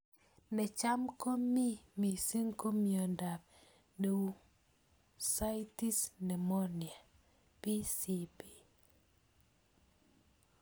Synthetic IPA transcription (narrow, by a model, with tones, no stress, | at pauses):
nɛ˨t͡ʃa˦mko˦mi˦mi˨si˦ŋko˦mjɔ˨nda˨p | de˨u˦ | sa˦jti˦snɛ˨mɔ˦nja˨ | pi˦si˦pi̥˨